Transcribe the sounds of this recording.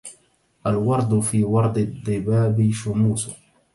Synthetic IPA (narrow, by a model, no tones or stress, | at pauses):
ʔalwɑɾˤd̪ˤfiːwɑɾˤd̪ˤɪd̪ˤːɪbaːbiʃʊmuːsʊ